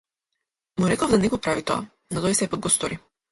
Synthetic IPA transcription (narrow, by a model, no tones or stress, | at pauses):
muɾɛkɔvd̪anɛkɔpɾavit̪ɔa̰ | nɔt̪ɔjsɛpɔd̪̚ɡɔst̪ɔɾi